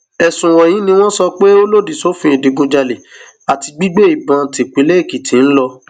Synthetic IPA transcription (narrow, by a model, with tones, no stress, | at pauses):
ɛ˨sũ˨wɔ̃˨j̃ĩ˨˦nĩ˧w̃ɔ̃˦sɔ˧k͡pe˦o˦lo˦di˦˨so˨˦fĩ˧˦i˨de˨ɡõ˧d͡ʒa˧le˨ | a˨ti˧ɡ͡bi˦ɡ͡be˦i˨bã˧˨te˨k͡pe˨˦le˦i˦˨ki˨tĩ˨˦n̩˦lɔ˧